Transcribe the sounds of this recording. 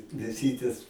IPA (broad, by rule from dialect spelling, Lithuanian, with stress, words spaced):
mʲeːˈsʲiːtʲeːs